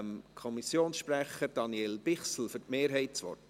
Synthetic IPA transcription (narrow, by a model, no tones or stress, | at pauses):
mkʰɔmisjoːnsʃpræχəɾd̥ɑnjelb̥ɪχsl̩fɵɾtmeːɾɦɛɪtt͡sʋɔ̰t